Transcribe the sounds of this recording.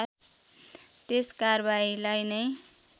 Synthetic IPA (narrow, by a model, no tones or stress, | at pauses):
t̪eskarbailajnʌj